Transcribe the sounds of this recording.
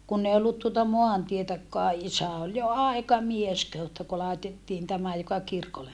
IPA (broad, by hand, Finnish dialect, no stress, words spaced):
kunː ei olːut tuotɑ moɑntietækːoɑ ʔisæ ol jo ɑˑikɑmies kehu etːæ ku lɑˑetetːiːn tæmæ jokɑ kirkolem